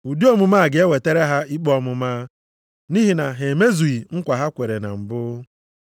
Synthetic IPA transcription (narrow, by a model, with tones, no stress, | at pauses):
u˨di˦ɔ˦mʊ˨ma˦˨ɡɪ˨e˦we˨te˦ɾe˦ɦa˦i˦k͡pɔ˦mʊ˨maː˦ | ni˦ɦi˨na˨ɦe˨me˦zu˨i˨ŋ̩˦kʷa˨ɦa˦kʷe˨ɾe˨na̰˨m̩˨bʊ˦